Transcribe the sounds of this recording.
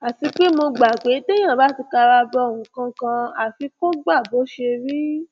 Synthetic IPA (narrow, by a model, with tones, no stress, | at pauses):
a˨ti˧k͡pe˦mo˧ɡ͡ba˨k͡pe˨˦te˦j̃ã˦˨ba˨˦˨ti˧ka˧ɾa˧˦bɔ˧˨ũ˨˦kã˧kã˧a˨fi˧ko˦ɡ͡ba˦˨bo˨˦ʃe˧ɾi˦